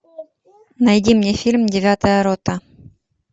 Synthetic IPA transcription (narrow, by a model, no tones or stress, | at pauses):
nɐjdʲimnʲefʲilʲmdʲɪvʲat̪əjəɾot̪ə